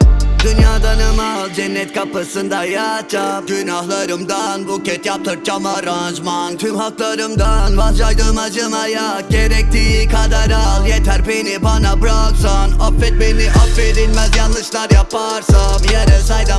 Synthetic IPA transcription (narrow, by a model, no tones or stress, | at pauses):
d̪ynjaːd̪anɯmazd͡ʒɛnːɛt̪kʰapɯsɯnd̪ajjat͡ʃʰapɡynahlˠaɾɯmd̪anbukʰɛt̪jap̚t̪ʰɯɾ̚t͡ʃamaɾand͡ʒmant̪ʰymhaklˠaɾɯmd̪anbad͡ʒajd̪ɯmad͡ʒɯmajak̚ɟeɾɛk̚t̪ʰikʰad̪aɾalˠjet̪ʰæɾpenibanabɾaksanapfɛt̪̚beniʔapfed̪ilʲmæzjɑnːɯʃlˠaɾjapʰaɾsamjɛɾɛsajd̪a